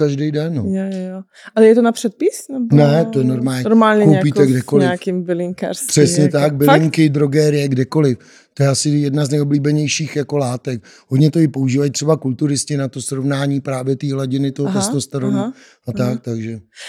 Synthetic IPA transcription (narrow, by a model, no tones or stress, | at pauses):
kaʒdɛjdɛnːojj | ʔalɛjɛt̪onapr̥ɛt̪̚pɪsnɛbnɛt̪ojɛnoɾmaːlɲɛnɾmaːlɲɛkowpiːt̪ɛɡdɛkolɪafkimbɪlɪŋka̰ɾspr̥ɛsɲɛt̪ak̚bɪlɪŋkɪd̪ɾo̞ɡɛːɾɪjɛɡdɛko̞lɪf | t̪ojɛasɪjɛdnaznɛjobliːbɛɲɛjʃiːxjako̞laːt̪ɛk | ɦod̪ɲɛt̪o̞ɪpo̞uʒiːvajt̪r̥ɛbakult̪uɾɪscɪnat̪o̞sɾovnaːɲiːpɾaːvjɛt̪iːɦlaɟɪnɪt̪oɦot̪ɛst̪ost̪ɛɾonu | ʔat̪ak̚t̪aɡʒɛ